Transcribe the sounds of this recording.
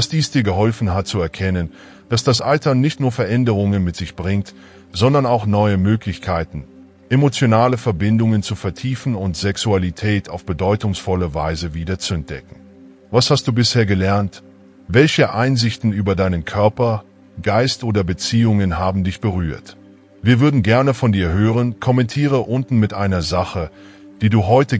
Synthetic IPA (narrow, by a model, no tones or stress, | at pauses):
d̥asd̥iːsd̥iːɐɡəɦɔlfn̩ɦat̚t͡suɛɐkʰɛnən | d̥asd̥asʔaltɐnɪçtnuːɐfɛɐʔɛndəʁ̞ʊŋənmɪtz̥ɪçb̥ʁɪŋt | z̥ɔndɐnaʊxnɔʏəmøːklɪçkʰaɪtn̩ | ʔemot͡sjonaːləfɛɐbɪndʊŋənt͡sufɛɐtʰiːfn̩ʊntz̥ɛksualitʰɛːtʰaʊfb̥ədɔʏtʊŋsfɔləvaɪzəviːdɐt͡suɛnt̚d̥ɛ̰kŋ̩ | vashast̚d̥uːbɪsheːɐɡəlɛɐnt | vɛlçəʔaɪnzɪçtn̩yːbɐdaɪnənkʰœɐpɐ | ɡ̥aɪstʔoːdɐbət͡siːʊŋənɦaːbm̩dɪçb̥əʁ̞yːɐt | viːɐvʏɐdn̩ɡɛɐnəfɔndiːɐɦøːʁ̞ənkʰɔmɛntʰiːʁ̞əʔʊntn̩mɪtʔaɪnɐzaχə | d̥iːduːɦɔʏtə